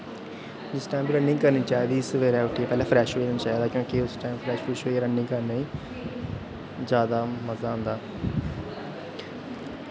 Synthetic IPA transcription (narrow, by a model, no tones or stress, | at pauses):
d͡ʒɪsʈaːmbiːɾəɳɖɪ̃ŋɡkəɾnĩːt͡ʃaːiːd̪iːɪsʋeːɾɛːʊʈʰːiːeːpɛːlãːpʰɾɛːʃoeːɾəniːt͡ʃaːiːd̪aːkjõːkɪʊsʈaːɪmpʰɾɛːʃfɪːʃoɾəɳɖɪ̃ŋɡkəɾnaːĩː | zjaːd̪aːməzaːɦʊ̃nd̪aː